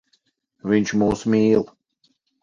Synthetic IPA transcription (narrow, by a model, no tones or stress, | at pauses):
vɪ̃nt͡ʃmoːsmiːlˠ